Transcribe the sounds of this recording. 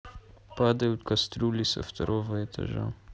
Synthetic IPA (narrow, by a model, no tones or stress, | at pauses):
pad̪ɐjut̪kɐst̪ɾʲulʲisɐ̰ft̪ɐɾʔɔvɐɛt̪ʰɐ̰ʒa̰